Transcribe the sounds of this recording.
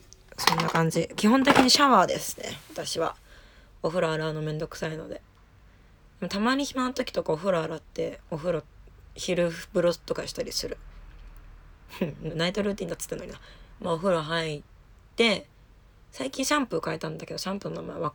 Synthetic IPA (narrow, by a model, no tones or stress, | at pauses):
sõ̞nːakãɲ̟d͡ʑikʲiɦõ̞nt̪̬e̞kʲiɲ̟iɕaβaːd̪e̞sɨ̥ne̞̰βat̪aɕiβa̰ | o̞ɸɯ̟ɾaːɾaːno̞mẽ̞nd̪o̞kɯ̟̥saino̞̰d̪e̞ | d̪mat̪amaɲ̟içimanot̪o̞kʲi̥t̪o̞kaoɸɯ̟ɾaːɾat̪ːe̞oɸɯ̟ɾoçiɾɯ̟ɯbɯ̟ɾoɨ̥t̪ːo̞kaɕi̥t̪aɾʲisɨɾɯ̟ | nait̪o̞ɾɯ̟ːt̪ʲĩɲd̪at͡s̪ːɨ̥t̪ːano̰ɲinamaoɸɯ̟ɾoɦai | t̪ːe̞ | saikʲĩɰ̃ɕãmpɯ̟kaet̪ãnd̪ake̞d̪oɕãmpɯnonama̰eβa